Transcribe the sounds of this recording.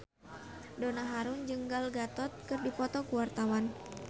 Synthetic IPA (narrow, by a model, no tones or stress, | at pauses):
donaɦaɾund͡ʒɨŋɡalɡat̪ɔt̪̚kɨrdipɔt̪ɔkuwart̪awan